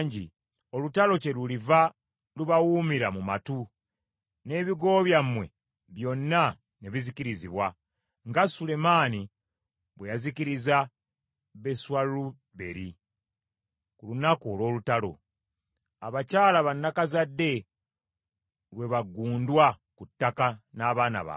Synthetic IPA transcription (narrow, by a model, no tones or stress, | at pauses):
ɲɟi | o̞lutalo̞ce̞luliva | luβawuːmiɾamuma̰tu | ne̞ːβiɡo̞ːβjamwe̞̰ | βjo̞nːa | ne̞βiziciɾiziβwa | ŋɡasule̞maːni | βwejaziciɾiza | βe̞swalu | βe̞ɾi | kulunakoːlwo̞ːlutalo̞̰ | aβacaːlaβanːakazadːe̞ | lwe̞βaɡːuːndwakutːakanaːβaːna̰βa̰